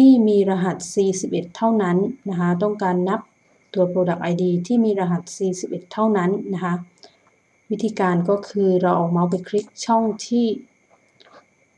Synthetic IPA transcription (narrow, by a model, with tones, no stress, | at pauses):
t̪ʰiː˥˩miː˧ɾa˧ɦa˨˩t̪̚siː˨˧si˨˩p̚ʔe˨˩t̪ʰːa˥˩wna˦˥nna˦˥kʰa˦˥t̪̬ɔ˥˩ŋkaː˧nːa˦˥p̚ | t̪u˨˩ət̪̚pʰoː˧da˨˩k̚ʔaː˧jdiː˧t̪ʰiː˥˩miː˧ɾaː˧ɦa˨˩t̪̚siː˨si˨˩p̚ʔe˨˩t̪ʰːa˥˩wna˦˥nːa˦˥kʰa˦˥ | wi˦˥t̪ʰːiː˧kaː˧nkɔː˥˩kʰɯː˧ɾa˧wʔɔː˨˩ma˧˥wp̬a˧jkʰɾi˦˥k̚t͡ɕʰɔ˥˩ŋt̪ʰiː˥˩